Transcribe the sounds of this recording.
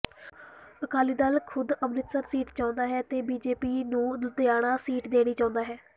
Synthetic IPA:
əkaːliːd̪alkʰʊd̪əmnɪt̪səɾsiːʈt͡ʃãːʊnd̪aːɦɛːt̪eːbiːd͡ʒeːpiːnũːd̪ʊt̪ɪjaːɽ̃aːsiːʈd̪eːɽ̃iːt͡ʃãːnd̪aːɦɛː

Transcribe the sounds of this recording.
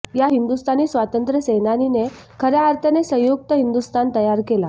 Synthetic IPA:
jaɦind̪ust̪ʰaniːsʋat̪ənt̪ɾəsenanine | kʰəɾjaːɾt̪ʰanesə̃juk̚t̪əɦind̪ust̪ant̪əjaɾkela

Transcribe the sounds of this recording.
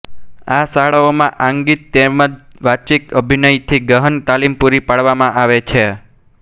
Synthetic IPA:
asaɭaomãʔãŋɡit̪ːeməd͡ʒʋat͡ʃikəbʱinəjt̪ʰiɡəɦənt̪alimpuɾipaɽʋamãʔaʋet͡ʃʰe

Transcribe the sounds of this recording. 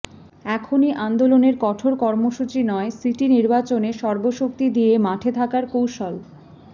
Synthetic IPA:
ɛkʰoniʔand̪oloneɾkɔʈʰoɾkɔɾmoʃut͡ɕinɔesiʈiniɾbat͡ɕoneʃɔɾboʃok̚t̪id̪ijemaʈʰet̪ʰakaɾkowʃol

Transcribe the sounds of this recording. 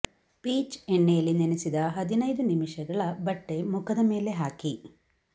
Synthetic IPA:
piːt͡ʃeɳːejɐlinenesid̪ɐɦɐd̪inɐjd̪unimiʂɐɡɐɭɐbɐʈːe̞mukʰɐd̪ɐme̞ːle̞ɦaːki

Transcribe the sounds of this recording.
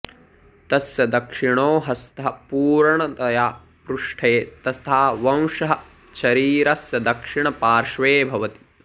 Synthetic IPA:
t̪ɐsjɐd̪ɐkʂiɳoːɦɐst̪ʰɐɦɐpuːɾɳɐt̪ɐjaː | pɾuʂʈʰeːt̪ɐt̪ʰaːʋɐ̃w̃ʂɐɦɐ | ʃɐɾiːɾɐsjɐd̪ɐkʂiɳɐpaːɾʂʋeːbʱɐʋɐt̪i̥

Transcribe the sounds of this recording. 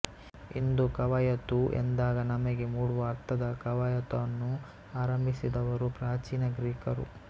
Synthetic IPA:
ḭnd̪ukɐʋɐjɐt̪uʔḛnd̪aːɡɐnɐmɐɡe̞muːɽuʋɐːɾt̪ʰɐd̪ɐkɐʋɐjɐt̪ɐɐnːu | aːɾɐmbʱisid̪ɐʋɐɾupɾaːt͡ʃiːnɐɡɾiːkɐɾṵ

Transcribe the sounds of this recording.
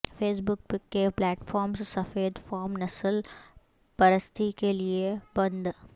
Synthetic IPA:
feːs̬bʊk̚pɪkːeplɛːʈfɔːɾmssɐfeːd̪fɔːɾmnɐsəl | pɐɾəst̪ʰikeliebɐ̃nd̪

